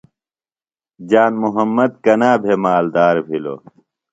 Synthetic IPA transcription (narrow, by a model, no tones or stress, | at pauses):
d͡ʑaːnmuɦɐmːɐd̪̚kɐnaːbʱemaːld̪aːɾbʱilo̰ː